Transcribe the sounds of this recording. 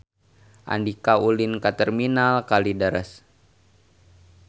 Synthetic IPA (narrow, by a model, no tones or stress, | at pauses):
ʔa̰ndikaulinkat̪ɛrminalkalidaɾəs